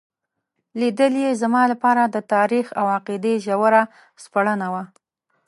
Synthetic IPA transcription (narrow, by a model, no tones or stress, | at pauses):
lid̪əljezamɑlapɑɾad̪ət̪ɑɾixawaqid̪eʒawəɾa | spaɽənawa